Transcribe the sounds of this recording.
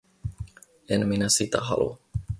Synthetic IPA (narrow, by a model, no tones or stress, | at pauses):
enminæsit̪æ̰ɦɑ̰lṵ